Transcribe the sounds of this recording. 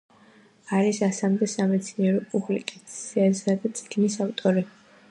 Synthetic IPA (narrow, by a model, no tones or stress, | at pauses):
aɾisasamd̪ɛsamɛt̪sʰniɛɾɔpʼublḭkʼat̪sʰiasad̪at̪sʼi̥ɡ̥nisaft̪ʼɔɾi